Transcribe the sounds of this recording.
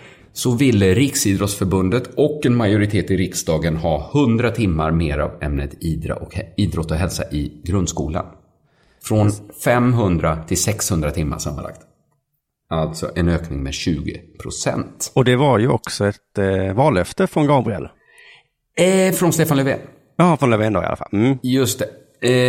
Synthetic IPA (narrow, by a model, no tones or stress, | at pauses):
sɔvɪlːəɾɪksiːd̪ɾɔt̪sfœɾbɵnd̪ət̪ʰɔkːɛnmajʊɾɪt̪ʰeːt̪ɪɾɪksd̪ɑːɡənhɑːhɵnd̪ɾat̪ʰɪmːaɾmeːɾa̰vɛ̰mnət̪iːd̪ɾa̰ʔɔkiːd̪ɾɔt̪ːɔɦɛlsa̰ʔɪɡɾɵnd̪skṵːla̰n | fɾɔnfɛmɦɵnd̪ɾat̪ʰɪlsɛkshɵnd̪ɾat̪ʰɪmːa̰ʂa̰mːa̰na̰kt̪ | alt̪sɔ̰ʔɛnøːknɪŋmɛɕʉ̟ːɡə̰pʰɾʊsɛ̰nt̪ɔd̪ɛvaɾjɵɔksɔɛt̪vɑːlœft̪əfɾɔnɡɑːbɾɪɛ̰lː | fɾɔnst̪eːfanlɛvḛːn | jɑɑfɾɔnlɛveːnd̪ɔ̰ɪ̰a̰a̰fa̰lm̩jɵst̪ɛ